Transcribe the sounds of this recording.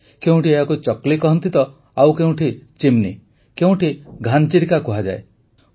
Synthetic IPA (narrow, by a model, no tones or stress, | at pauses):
keũʈieɦakut͡ʃɔklikɔɦɔnt̪it̪ɔ | awkeɦũʈʰit͡ʃimni | keũʈʰiɡʱant͡ʃiɾikakuɦad͡ʒa̰e